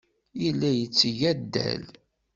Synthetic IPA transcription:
ilːæjət͡sːjæd̪ːæ̰l

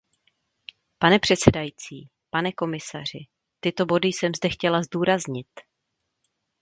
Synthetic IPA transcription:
panɛpr̝̥ɛt̪sɛdajit͡siː | panɛko̞mɪsa̰r̝ɪ | t̪ɪt̪o̞bo̞dɪjsɛmzdɛxcɛlazduːɾazɲɪt̪

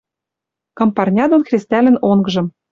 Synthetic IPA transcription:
kɤ̆mpɑrnʲɑd̪onxrʲist̪ælɘ̆noŋɡɤ̆ʒɤ̆m

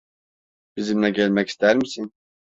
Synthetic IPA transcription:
b̥izimlɛɟælʲmɛci̥st̪ʰæɾmisin

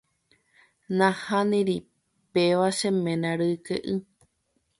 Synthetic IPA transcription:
nãhãnĩɾi | peʋaʃemẽnãɾɨkḛʔɨ

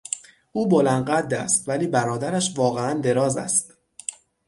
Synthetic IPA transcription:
ʔuːbo̞lænd̪̚ɢæd̪ːæ̰st̪væliːbæɾɒːd̪æɾæʃvɒːɣeænd̪e̞ɾɒːzæ̰st̪

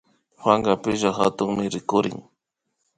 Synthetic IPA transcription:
xwaŋɢapɪʒaxat̪ʊŋmɪɾɪkʊɾɪ̰ŋ

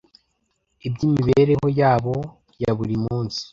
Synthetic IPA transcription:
ibɟiːmiβe̞ɾe̞ɦo̞jaːβo̞ | jaβuɾimuːnsi̥

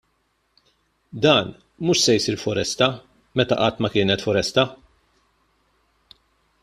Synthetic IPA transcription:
d̪ɐːn | muːʃsɛjsiːɾfɔɾɛst̪ɐ | mɛt̪ɐ̰ʔɐt̪ːmɐkɪːnɛt̪fɔɾɛst̪ɐ

